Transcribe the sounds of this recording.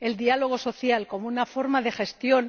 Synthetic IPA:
e̞ld̪ialo̞ɣ̞o̞so̞θjalko̞mounafo̞ɾmaðe̞xe̞st̪jo̞n

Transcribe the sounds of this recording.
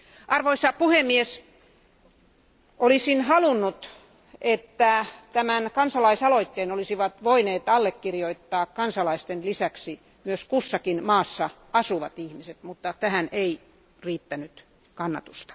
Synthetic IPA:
ʔɑrʋoisɑpuhemːies | ʔolisinhɑlunːut̪ | et̪ːæt̪æmænkɑnsɑlɑisɑloit̪ːeːnolisiʋɑt̪ʋoineːt̪ɑlːekːirjoit̪ːɑːkkɑnsɑlɑist̪enlisæksi | myøskusːɑkinmɑːsːɑ | ɑsuʋɑt̪ihmiset̪mut̪ːɑt̪æhænei | riːt̪ːænyt̪ | kɑnːɑ̰t̪ust̪ɑ̥

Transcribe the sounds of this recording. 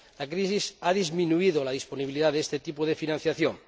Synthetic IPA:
lakɾisisaðizmĩnuiðolað̞isponiβiliðaðest̪et̪ipoðe̞finãn̟θjaθjoŋ

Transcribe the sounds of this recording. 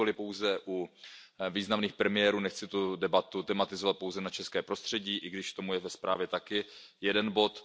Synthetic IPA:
olɪpo̞wzɛʔu | viːznamniːxpɾɛmɪjɛɾuːnɛxt͡sɪt̪udɛbat̪ut̪ɛmat̪ɪzovat̪̚powzɛnat͡ʃɛskɛːpɾo̞st̪r̥ɛɟiːʔɪɡdɪʃt̪o̞mujɛvɛspɾa̰ːvjɛt̪akɪ | jɛdɛnbo̞t̪

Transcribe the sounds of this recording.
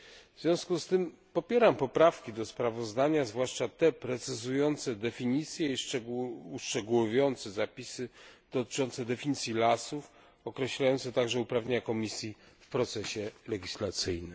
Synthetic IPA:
vzvʲjɔ̃w̃skust̪ɘm | pɔpʲjɛɾampɔpɾafkʲid̪ɔspɾavɔzd̪aɲazvwaʂt͡ʂat̪ɛpɾɛt̪sɘzujɔnt̪sɛd̪ɛfʲiɲit̪sʲjɛi | uʂt͡ʂɛɡuwɔvʲjɔnt̪sɛzapʲisɘd̪̥ɔt̪ɘ̥t͡ʂɔnt̪sɛd̪ɛfʲiɲit̪sʲjilasuf | ɔkɾɛɕlajɔnt̪sɛt̪aɡʐɛupɾavɲeɲakɔmʲisʲji | fpɾɔt̪sɛɕɛlɛɡʲislat̪sɘjnɘm

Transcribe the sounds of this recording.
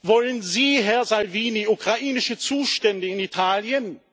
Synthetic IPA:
vɔlənziːɦɛɐzalviːniʔukʁ̥aʔiːnɪʃət͡suːʃtɛndəɪnitʰaːljən

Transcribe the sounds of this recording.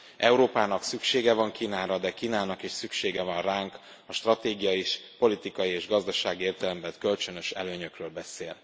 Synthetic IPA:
ʔɛuɾoːpaːnɒksykʃeːɡɛvɒŋkiːnaːɾɒd̪ɛkiːnaːnɒkeːʃsykʃeːɡɛvɒnraːŋk | ɒʃt̪rɒt̪eːɡijɒjiʃpo̞lit̪ikɒjieːʒɡɒzd̪ɒʃaːɡieːrt̪ɛlɛmbɛnkølt͡ʃønø̞ʃɛ̰løːɲøkrøːlbɛseːl

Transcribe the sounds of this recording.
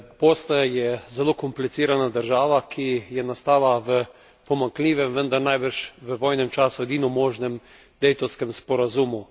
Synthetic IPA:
poːst̪ajɛzɛloːkɔmplit̪siːɾanad̪əɾʒaːʋakʰijɛnast̪aːlaʋə | pɔmaŋkliːʋɛmʋənd̪aɾnajbəɾʃʋəʋoːjnɛmt͡ʃaːsuɛd̪iːnɔmoːʒnɛm | d̪̥ɛjt̪ɔwskɛmspɔɾazuːmu

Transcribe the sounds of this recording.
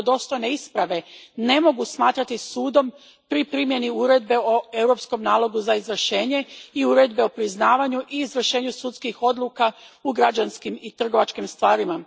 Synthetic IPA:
d̪o̞st̪o̞jne̞ispɾaʋe̞ne̞mo̞ɡusmaːt̪ɾat̪isuːd̪o̞m | pɾipɾimje̞niuɾe̞d̪be̞oe̞wɾo̞psko̞mnaːlˠo̞ɡuzaizʋr̩ʃe̞ːɲe̞iuɾe̞d̪be̞o̞pɾiznaːʋaɲuʔiːzʋr̩ʃe̞ːɲusut̪skixo̞d̪lˠukauɡɾad͡ʒanskimit̪r̩ɡo̞ʋat͡ʃkimst̪ʋaːɾima

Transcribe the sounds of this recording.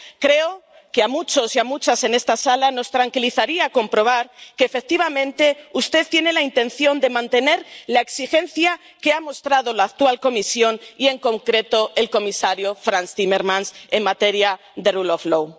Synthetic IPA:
kɾe̞o | keamut͡ʃo̞siamut͡ʃase̞ne̞st̪asalano̞st̪ɾaŋkiliθaɾiako̞mpɾo̞β̞aɾkeːfek̚t̪iβ̞amẽ̞nt̪e̞ust̪et̪je̞ne̞laint̪e̞nθjo̞nd̪e̞mãnt̪e̞ne̞ɾlaeksixẽ̞n̟θja | ke̞amo̞st̪ɾað̞o̞laːk̚t̪walko̞misjo̞nie̞ŋko̞ŋkɾe̞t̪o̞e̞lko̞misaɾjo̞fɾanst̪imeɾmãnse̞ŋmat̪e̞ɾja | ðeruloflow

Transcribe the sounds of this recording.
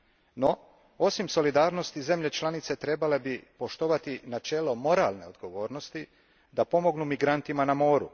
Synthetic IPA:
no | osimso̞lid̪aːɾno̞st̪ize̞mʎe̞t͡ʃlˠanit̪se̞t̪ɾe̞bale̞bipo̞ʃt̪o̞ʋat̪inat͡ʃe̞lomo̞ɾaːlne̞o̞d̪ɡo̞ʋo̞ːɾno̞st̪i | d̪apo̞mo̞ɡnumiɡɾant̪imanamo̞ːɾṵ

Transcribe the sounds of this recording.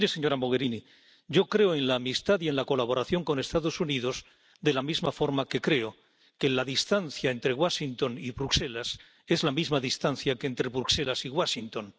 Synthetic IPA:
ɾeseɲo̞ɾamo̞ɣ̞e̞ɾini | ɟ͡ʝo̞kɾe̞oe̞nlaːmist̪aðie̞nlako̞laβo̞ɾaθjo̞ŋko̞ne̞st̪aðo̞suniðo̞z | ðe̞lamizmafo̞ɾmake̞kɾe̞o | ke̞laðist̪anθjae̞nt̪ɾeɣwaʃint̪o̞niβɾukse̞las | e̞zlamizmaðist̪anθjakeːnt̪ɾe̞βɾukse̞lasiɣwaʃint̪o̞n

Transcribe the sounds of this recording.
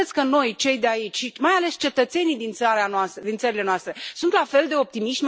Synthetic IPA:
et̪sʲkəno̞jt͡ʃe̞jd̪eait͡ʃʲʃimajale̞st͡ʃe̞t̪ət̪se̞nijd̪int̪saɾeanoast̪əd̪insəɾile̞noast̪ɾe̞sunt̪lafe̞ld̪e̞o̞p̚t̪imiʃʲm

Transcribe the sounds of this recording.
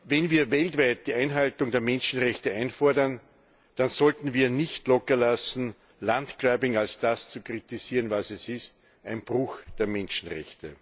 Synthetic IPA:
vɛnviːɐvɛltvæɪt̚d̥iːæɪnɦaltʊŋdeːɐmɛnʃn̩ʁɛçtəæɪnfɔɐdɐn | d̥anzɔltn̩viːɐnɪçtlɔkɐlasn̩ | lantɡ̥ʁɛbɪŋalsd̥ast͡sukʁitɪsiːʁənvasɛsɪst | ʔæɪnb̥ʁʊxd̥eːɐmɛnʃn̩ʁɛ̰çtə

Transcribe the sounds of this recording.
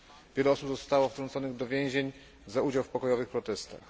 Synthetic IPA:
vʲjɛlɛɔsubzɔst̪awɔft̪ɾɔnt̪sɔnɘɣd̪ɔvʲjɛ̃w̃ʑeɲ | zaud͡ʑawfpɔkɔjɔvɘxpɾɔt̪ɛst̪a̰x

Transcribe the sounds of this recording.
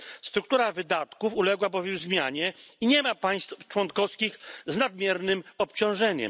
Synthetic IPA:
st̪ɾuk̚t̪uɾavɘd̪at̪kufulɛɡwabɔvʲjɛwzmʲjaɲɛiɲɛmapaj̃st̪t͡ʂwɔnkɔskʲixznad̪mʲjɛɾnɘmɔpt͡ɕɔ̃w̃ʐɛɲɛ̰m

